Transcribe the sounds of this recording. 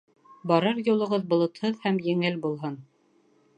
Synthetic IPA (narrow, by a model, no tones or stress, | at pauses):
bɑɾɤɾjulˠɤ̆ʁɤðbŏlˠŏt̪hɤðhæmjɘ̆ŋɘlbulˠɦɤn